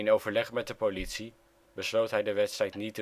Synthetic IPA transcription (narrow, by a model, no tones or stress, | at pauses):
nowvəɹlɛχmɛt̚dəpolitsi | bəslowtɦɛjdəʋɛtstrɛjtnitə